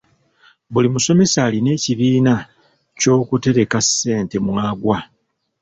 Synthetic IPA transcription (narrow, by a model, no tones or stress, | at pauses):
βulimuso̞me̞saːline̞ːciβiːna | co̞ːkute̞ɾe̞kase̞ːnte̞mwaːɡwa